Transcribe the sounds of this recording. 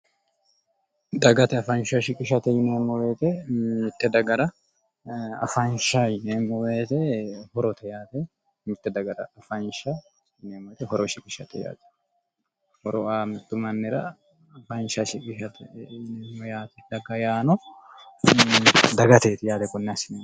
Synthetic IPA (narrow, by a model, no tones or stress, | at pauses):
d̪ɐɡɐt̪ɛɐfɐnʃaʃɪkʼɪʃɐt̪ɛjɪneːmːɔweːt̪ɛɪt̪ːɛd̪ɐɡɐɾɐ | ɐ̰fanʃajɪnemːɔweːt̪ɛhɔɾɔt̪ʰɛjaːt̪ɛ | mɪt̪ːɛd̪ɐɡɐɾɐ̰ːfanʃa | jɪneːmɔjt̪ɛhɔɾɔʃɪkʼɪʃɐt̪ɛja̰ːt̪ɛ̥ | hɔɾɔaːmɪt̪ːʊmɐnːɛɾɐ | ɐfɐnʃaʃɪkʼɪʃɐt̪ɛɪneːmːɔjaːt̪ɛ̥d̪ɐɡɐjaːnɔ | d̪ɐɡɐt̪eːt̪ɪjaːt̪ɛkʊnːɛɐsɪne